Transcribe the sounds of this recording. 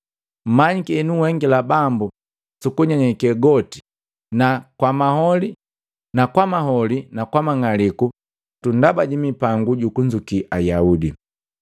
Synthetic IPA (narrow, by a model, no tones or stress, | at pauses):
m̩maɲikinuwɛŋɡilabambu | sukuɲaɲɛkɛɡɔti̥ | nakwamahɔli | nakwamaɦɔlinakwamaŋaliku | tundabaɟimipaŋɡuɟukuɲd͡ʒukiʔajaudi